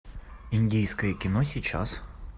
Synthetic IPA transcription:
ɪnʲdʲijskəjəkʲɪnosʲit͡ɕa̰s

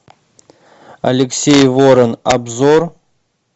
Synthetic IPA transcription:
a̰lʲeksʲejvoɾənabzor

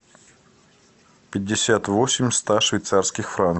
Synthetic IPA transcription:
pʲɪdʲːɪsʲat̪vosʲɪmʲst̪aʂvʲɪjt̪sarskʲɪxfɾan

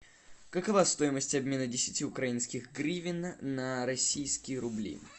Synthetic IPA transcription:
kəkɐvast̪o̞jɪməsʲtʲɐbmʲe̞nədʲɪsʲɪtʲiʊkɾɐinskʲɪxɡɾʲivʲɪnnəɾɐsʲijskʲɪjəɾʊblʲḭ

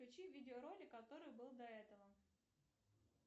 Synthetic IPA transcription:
ʊt͡ɕivʲidʲɪoɾo̞lʲɪkɐt̪o̞ɾɨjbɨlˠd̪ɐɛt̪əvə

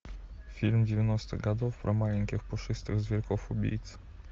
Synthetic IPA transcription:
fʲilmd͡ʑevʲjɛnɔst̪ɛ̰ɡad̪ɔfpɾʔɔmalʲɛŋkʲɛxpɔʂɨst̪ɨɣzvʲɛlkɔfɔbʲḭjt̪s

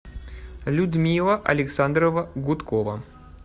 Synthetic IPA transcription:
lʲud̪mʲilˠəʔɐ̰lʲɪksand̪ɾəvəɡʊt̪kovə̰

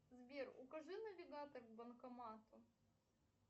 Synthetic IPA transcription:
zbʲerʊ̰kɐʐɨnɐvʲɪɡat̪ɐrɡbɐnkɐmat̪ʊ

